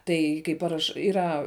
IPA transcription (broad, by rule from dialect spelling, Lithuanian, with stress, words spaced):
ˈtɐɪ kɐɪ ˈpɑːrɐʃ ɪˈrɐ